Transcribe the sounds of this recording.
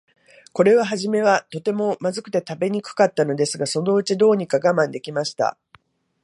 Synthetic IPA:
ko̞ɾe̞βaɦaʑime̞βat̪o̞t̪e̞mo̞mazɨkɯ̟̥t̪e̞t̪abe̞ɲ̟ikɯ̟̥kat̪ːano̞d̪e̞sɨɡaso̞no̞ɯ̟t͡ɕid̪o̞ːɲ̟ikaɡamãnd̪e̞kʲimaɕi̥t̪a̰

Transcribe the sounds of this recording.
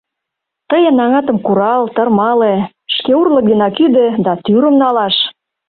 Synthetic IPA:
t̪ə̆jə̆nɑŋɑt̪ə̆mkuɾɑlt̪ə̆rmɑle | ʃkeurlə̆k̚d̪enɑkyd̪ĕd̪ɑt̪yɾə̆mnɑlɑʃ

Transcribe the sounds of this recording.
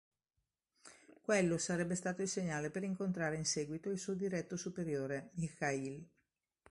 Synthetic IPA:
kwelːosaɾɛbːest̪aːt̪oilseɲːaːlepeɾiŋkont̪ɾaːɾeinsɛːɡwit̪oilsuːod̪iɾɛt̪ːosupeɾjoːɾemixail

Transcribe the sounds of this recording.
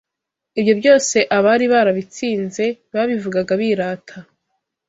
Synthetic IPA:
iβjo̞bjo̞ːse̞ʔaβaɾiβaɾaβit͡siːnze̞βaβivuɡaɡaβiɾaːtʰa

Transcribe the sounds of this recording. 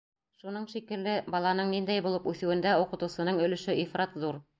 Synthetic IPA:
ʃunɤɴʃikɘ̆lːɘbɑlˠɑnɤɴnind̪æjbulˠɤpʉθɘ̆wɘ̆nd̪æuqɤ̆t̪ɤ̆wsɤ̆nɤɴɵ̆lɘ̆ʃɘʔifrɑt̪ðuɾ

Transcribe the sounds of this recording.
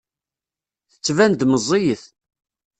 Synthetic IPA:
θə̥t͡sːvænd̪məzˤːijəθ

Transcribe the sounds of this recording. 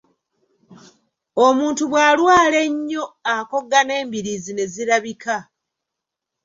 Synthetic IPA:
o̞muːntuβwaːlwaːle̞ɲːo̞ako̞ɡːane̞ːmbiɾizine̞ziɾaβikʰa

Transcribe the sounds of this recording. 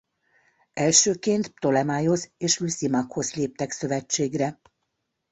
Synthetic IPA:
ɛlʃøːkeːnt̪t̪o̞lɛmaːjo̞zeːʃlysimɑkho̞zleːp̚t̪ɛksø̞vɛt͡ʃːeːɡrɛ

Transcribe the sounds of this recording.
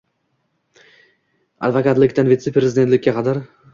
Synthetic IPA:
a̰d̪vakat̪lɪkʲt̪anvit̪sepɾezɪd̪et̪lɪkʲːaqʰɑd̪aɾ

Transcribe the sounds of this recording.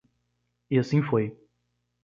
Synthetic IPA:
iasĩfoj

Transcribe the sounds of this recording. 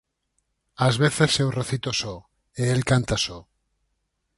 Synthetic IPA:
azβeθe̞sːewreθit̪oso | eelkant̪aso

